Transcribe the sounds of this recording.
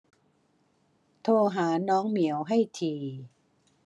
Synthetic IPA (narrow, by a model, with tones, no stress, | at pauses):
t̪ʰoː˧ɦaː˩˦nɔː˦˥ŋmi˩˦əwɦa˥˩jt̪ʰiː˧